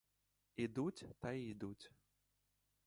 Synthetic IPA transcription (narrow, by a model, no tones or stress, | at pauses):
id̪ut͡sʲt̪ɐid̪ut͡sʲ